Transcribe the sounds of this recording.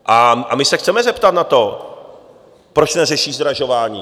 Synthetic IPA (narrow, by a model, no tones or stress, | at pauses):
ʔaʔamɪsɛxt͡sɛmɛzɛpt̪at̪nat̪o̞ | pɾot͡ʃnɛrɛʃiːzd̪ɾaʒo̞vaːɲḭː